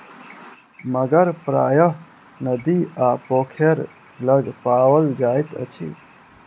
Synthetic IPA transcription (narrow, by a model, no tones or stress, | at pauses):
məɡəɾpɾa̰ːjəɦ | nəd̪iapoːkʰeɾ | ləɡpaːwəld͡ʒaːjt̪ə̰t͡ʃʰḭ